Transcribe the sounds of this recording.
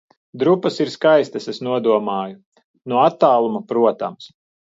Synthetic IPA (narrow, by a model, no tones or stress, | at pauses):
d̪ɾupːɐsiɾskajst̪ɐsesnuɔd̪uɔmaːju | nuɔat̪ːaːlˠumapɾuɔt̪a̰ms